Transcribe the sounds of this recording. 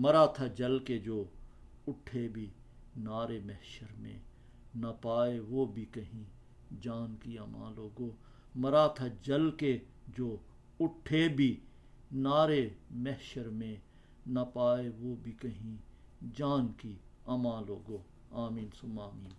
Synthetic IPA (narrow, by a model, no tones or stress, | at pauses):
mɐɾaːt̪ʰad͡ʒɐlked͡ʒoː | ʊʈʰebʱiː | naːɾemɛɦʃəɾmḛ̃ | nɐpaːeʋoːbʱikɐɦĩ | d͡ʒaːnkiamã̰ːlɦoːɡoː | mɐɾat̪ʰɐd͡ʒɐlke | d͡ʒoː | ʊʈʰːebʱi | naːɾemɛɦʃəɾmẽ | nɐpaːeʋoːbʱikɐɦĩd͡ʒaːnkiamãːlɦoːɡoː | aːmiːnsʊmaːmiːn